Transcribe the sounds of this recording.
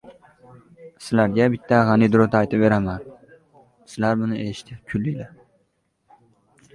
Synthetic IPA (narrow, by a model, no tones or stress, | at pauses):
sɪlaɾɡʲabɪt̪ʰːaʁɑnid̪ʊɾot̪aajt̪ʰɪpve̞ɾaman | sɪlaɾbʊnɪeʃt̪ʰɪkʲʰʊlːijla